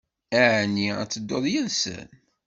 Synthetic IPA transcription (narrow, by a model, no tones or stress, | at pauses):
æʕniæ̰t͡sːəd̪ːoðˤjəðsə̰n